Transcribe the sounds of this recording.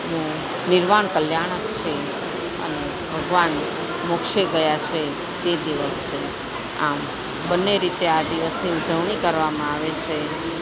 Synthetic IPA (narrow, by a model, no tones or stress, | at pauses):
nũ | nɪɾmaɳkəljaɽ̃əkt͡ʃʰe | ə̰ne | bʱəɡʋan | mokʃeɡəjat͡ʃʰe | t̪ed̪iʋəst͡ʃʰe | a̰m | bənːeɾit̪ead̪iʋəsniud͡ʒəʋɳikəɾʋamãaʋet͡ʃʰe